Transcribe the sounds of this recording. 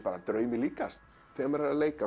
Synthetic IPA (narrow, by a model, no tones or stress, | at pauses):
paːɾat̪ɾœːɥmɪliːkast̪ | θɛɣamɛɾaɾleːjka